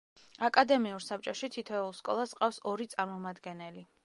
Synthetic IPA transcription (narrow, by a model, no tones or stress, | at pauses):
akʼad̪ɛmiuɾsap̚t͡ʃʼɔʃit̪ʰit̪ʰɛulˠskʼɔ̰lˠasqʼafsɔɾit̪sʼaɾmɔmad̪ɡɛnɛli